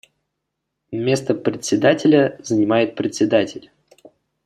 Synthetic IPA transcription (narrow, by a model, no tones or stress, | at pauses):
mʲe̞st̪əpɾʲɪt̪ʲsʲɪd̪atʲɪlʲəzənʲɪmajɪt̪̚pɾʲɪt̪ʲsʲɪd̪atʲɪlʲ